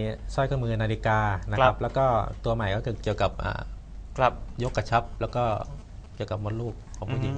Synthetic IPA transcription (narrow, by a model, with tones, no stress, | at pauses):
sʰɔ˥˩jkʰa˥˩mɯː˧nːaː˧li˦˥kaː˧na˦˥kʰa˦˥p̚lɛː˦˥wkɔː˥˩t̪u˧ɐma˨˩jkɔː˥˩kʰɯː˧ki˨˩əwka˨˩p̚ʔa̰ː˨˩˧ | jo˦˥kːa˧˩t͡ɕʰa˦˥p̚lɛː˦˥wkɔː˥˩ | ki˨˩əwka˨˩p̚mɔ˧nluː˥˩k̚ʰːɔː˧˩muː˧˩t͡ɕi˧˦